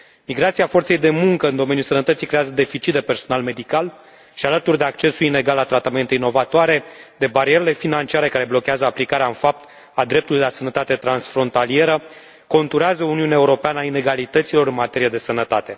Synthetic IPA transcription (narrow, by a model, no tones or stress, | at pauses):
miɡɾat̪siafo̞rt̪sejd̪e̞muŋkəɨnd̪o̞me̞njulsənət̪ət̪sikɾeazəd̪e̞fit͡ʃit̪̚d̪epe̞rso̞nalme̞d̪ikal | ʃialət̪urʲd̪e̞ak̚t͡ʃe̞suline̞ɡalːat̪ɾat̪ame̞nt̪eino̞vat̪oaɾe̞d̪e̞baɾie̞ɾele̞finant͡ʃiaɾe̞kaɾe̞blo̞keazəaplikaɾeaɨnfap̚t̪ | ad̪ɾe̞p̚t̪ulijeasənət̪at̪e̞t̪ɾansfɾo̞nt̪alie̞ɾə | ko̞nt̪uɾeazəuniuneaeuɾo̞peanəaine̞ɡalit̪ət̪silo̞ɾɨnmat̪e̞ɾijed̪e̞sənət̪at̪e̞